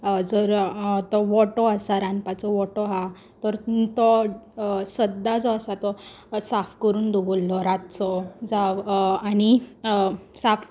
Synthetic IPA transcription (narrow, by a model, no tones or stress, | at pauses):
d͡zəɾt̪ɔʋɔʈɔasaɾanpat͡sɔʋɔʈɔɦa | t̪əɾt̪ɔ | səd̪ːat͡sɔasat̪ɔ | safkəɾuːnd̪ubolːɔɾat̪t͡sɔd͡zaʋani | saf